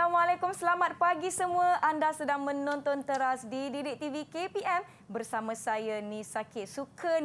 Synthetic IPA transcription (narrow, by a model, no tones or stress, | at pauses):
amwalɛkʊmsəlamat̪̚paɡisəmũəʔandasədaŋmə̃nɔnt̪ɔnt̪əɾasdididɪk̚t̪ivikepiʔɛm | bərsamãsajanĩsakɪt̪̚sukʰən